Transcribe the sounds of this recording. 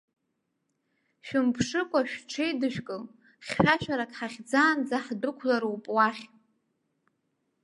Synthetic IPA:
ʃᶣɪmpʰʂɨkʷʼaʃᶣʈ͡ʂʰejdɨʃᶣkʼɨl | χʲʃaʃᶣaɾakʼħaχʲd͡zaːnd͡zaħdɨkʷʰlaɾwupʼwaχʲ

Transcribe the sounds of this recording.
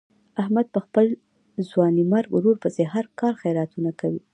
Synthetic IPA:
ahmad̪̚pəxpəl | zwɑnimaɾɡɾoɾpəzeɦaɾkɑɾxajɾat̪unakawi

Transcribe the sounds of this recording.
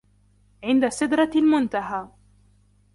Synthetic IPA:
ʕɪnd̪asɪd̪ɾˤɑlmʊnt̪aɦaː

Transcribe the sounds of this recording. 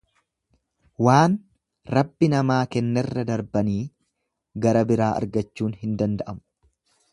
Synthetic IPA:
waːn | ɾɐbːɪnɐmaːkɛnːɛrːɐd̪ɐɾbɐniː | ɡɐɾɐbɪɾaːɐ̰ɾɡɐt͡ʃːuːnɦɪnd̪ɐnd̪ɐʔɐmʊ̥

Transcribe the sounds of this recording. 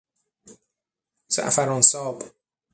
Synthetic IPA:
sa̰ʔfaɾɔnsɒːb

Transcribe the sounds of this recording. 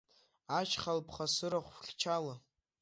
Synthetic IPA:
at͡ʃʰχalpʰχasɨɾaχʷχʲt͡ʃʰala

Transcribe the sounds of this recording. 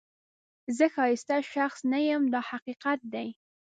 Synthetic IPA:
zəxɑɪst̪aʃaxsnajəmd̪ɑhaqiqat̪̚d̪aj

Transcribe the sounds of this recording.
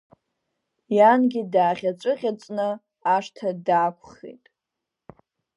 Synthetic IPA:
janɡʲidaːχʲat͡sʷʼɨʁʲat͡sʷʼnɨ | aʂtʰadaːkʷʰʼχḛjtʼ

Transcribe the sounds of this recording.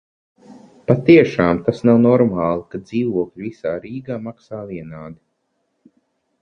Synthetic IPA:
pat̪iɛʃaːmt̪asnawnɔɾmaːlˠikad̪ziːvuɔkʎʲivisaːɾiːɡaːmaksaːviɛnaːd̪i

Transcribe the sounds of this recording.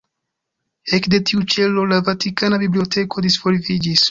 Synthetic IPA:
e̞kde̞tiut͡ʃe̞lo̞lavatikanabiblio̞tʰe̞kʰo̞disfo̞ɾvid͡ʒis

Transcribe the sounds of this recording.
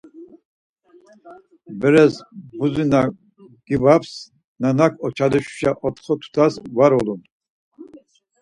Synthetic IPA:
bəɾɛsbuzina | ɡ̥ivaps | nanakʰɔt͡ʃʰad̪uʃu̥ʃaʔɔt̪ʰχɔt̪ʰu̥t̪ʰasvaɾɔlun

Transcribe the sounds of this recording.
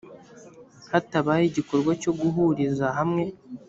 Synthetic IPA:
hataβajiɟiko̞ɾɡwaco̞ɡuɦuɾizaɦamŋe̞

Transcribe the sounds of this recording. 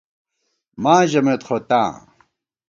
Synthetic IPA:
mãːʑɐmet̪χot̪ã̰ː

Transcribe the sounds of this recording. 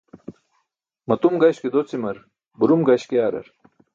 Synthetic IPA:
mɐt̪umɡɐɕked̪ot͡simɐɾ | buɾumɡɐɕkeaːɾɐ̰ɾ

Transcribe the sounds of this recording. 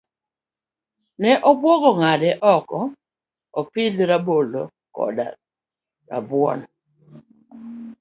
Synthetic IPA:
nɛʔɔbwɔɡɔŋadɛʔɔkɔ | ɔpɪdɾabolo | kɔ̰da̰ | ɾa̰bwɔ̰n

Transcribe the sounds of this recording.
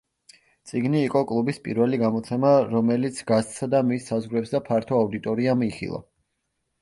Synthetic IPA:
t̪sʼiɡniːqʼɔkʼlˠubispʼḭɾvɛliɡamɔt̪sʰɛmaɾɔmɛlit̪sʰɡast̪ʼsad̪amisːazʁwɾɛpsd̪apʰaɾt̪ʰɔaud̪it̪ʼɔɾiamiχḭlˠɔ̰

